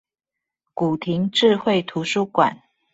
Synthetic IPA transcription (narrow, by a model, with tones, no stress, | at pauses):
ku˨˩t̪ʰi˨˦ŋʈ͡ʂɻ̩˥˧xwe˥˨ɪt̪ʰu˨˧˥ʂu˥kwa̰˨˩˦n